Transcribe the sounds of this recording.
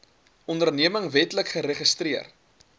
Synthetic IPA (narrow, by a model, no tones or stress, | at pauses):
ɔndərniəməŋvɛtləkχəɾeχəstriər